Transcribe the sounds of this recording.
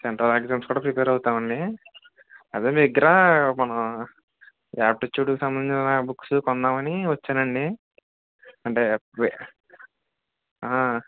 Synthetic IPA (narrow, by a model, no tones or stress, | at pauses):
seɳʈɾɐːlekd͡ʒaːmskuːɽaːpɾipeːɾɐwut̪aːmɐɳɖi | ɐd̪eːmeːiɡɐɾamɐnɐm | aːp̚ʈɐt͡ʃːuːɽukisɐmbɐnit͡ʃinɐbuksukɔnːaːmɐniʋɐt͡ʃːaːnɐɳɖi | ɐɳʈe̞ː | aː